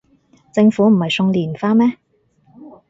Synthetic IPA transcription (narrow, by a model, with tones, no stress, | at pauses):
t͡sɪ˧ŋfuː˨˥m̩˨˩hɐ˨jsʊ˧ŋliː˨˩nfaː˧˥mɛː˥